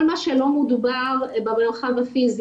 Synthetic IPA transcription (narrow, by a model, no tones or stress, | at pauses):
lmaʃelo̞mud̪ubaʁbameʁχavafiz